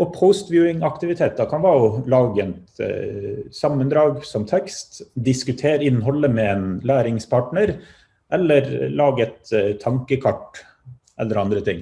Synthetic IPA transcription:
ʔɔpʰəʊst̪ʋjʉːɪŋɑkt̪ɪʋɪt̪ʰeːt̪ːɑkʰɑnʋɑːʊlɑːɡənt̪ | sɑmːənd̪ɾɑːɡsɔmt̪ʰɛkst̪d̪ɪskʉt̪ʰeːɾɪnːɦɔlːəmɛeːnlæːɾɪŋspʰɑːʈɳəɾ | ʔɛlːəɾlɑːɡəɛt̪t̪ʰːɑŋkəkʰɑʈː | ʔɛ̰lːəɾɑnd̪ɾət̪ʰɪŋː

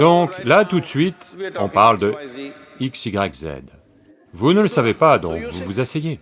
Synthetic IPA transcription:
d̪ɔ̃klat̪ut̪sɥit̪ɔ̃paʁld̪ə | iksiɡʁɛkzɛ̰d̪ | vunələsavepad̪ɔ̰̃kvuvuzasɛje

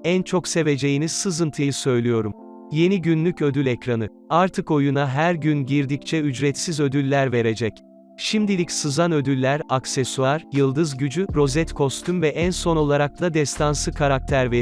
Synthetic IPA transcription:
ænt͡ʃʰo̞kse̞ve̞d͡ʒe̞jinisɯzɯnt̪ʰɯjɯsø̞jlʲijo̞ɾum | je̞niɟynlʲycød̪ylʲɛcɾanɯ | aɾt̪ʰɯko̞junaɦæɾɟynɟiɾd̪ict͡ʃʰɛyd͡ʒɾɛt̪sizø̞d̪ylʲːæɾve̞ɾe̞d͡ʒɛc | ʃimd̪ilʲicsɯzanø̞d̪ylʲːæɾaksesuaɾjɯlˠd̪ɯzɟyd͡ʒyɾo̞zɛt̪kʰo̞st̪ʰymvɛʔænso̞no̞lˠaɾak̚t̪ad̪ɛst̪ʰansɯkʰaɾak̚t̪ʰæɾve

